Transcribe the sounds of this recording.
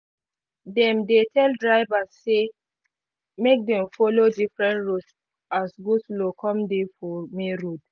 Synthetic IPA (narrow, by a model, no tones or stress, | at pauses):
dɛ̃mdetʰɛldɹaɪvasːe | mek̚dɛ̃mfɔlodifɹɛ̃ntɹuts | asɡuslokʰɔ̃mdefɔmeɹud